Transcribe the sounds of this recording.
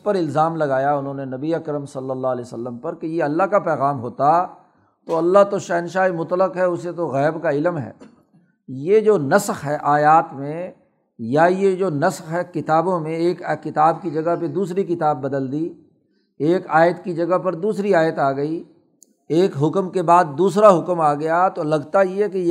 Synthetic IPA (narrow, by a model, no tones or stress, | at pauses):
pɐɾɪlzaːmlɐɡaːjaʊnɦõːnenɐbiɐkɾəmsɐlːəlːaɦɐleːsɐlːəmpɐɾkejeɐlːaɦkapɛːɣaːmɦoːt̪a | t̪oːɐlːaɦt̪oʃɛːnʃaːimʊt̪ləqɦɛʊset̪oɣɛːbkaɪlmɦɛ̰ː | jed͡ʒoːnɐsxɦɛʔaːjaːt̪mẽ | jajed͡ʒoːnɐsxɦɛkɪt̪aːbõmẽeːkkːɪt̪aːb̚kid͡ʒɐɡəɦped̪uːsɾikɪt̪aːbːɐd̪əld̪i | eːkaːjət̪kid͡ʒɐɡəɦpɐɾd̪uːsɾiaːjət̪aːɡɐi | eːkɦʊkmkebaːd̪̚ːuːsɾaɦʊkmaːɡɐjat̪olɐɡt̪ajekej